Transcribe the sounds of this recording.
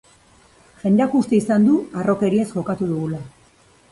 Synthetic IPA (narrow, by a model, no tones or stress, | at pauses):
ʝe̞nd̪akust̪e̞isand̪uaro̞ke̞ɾie̞sʝo̞kat̪uðuɣula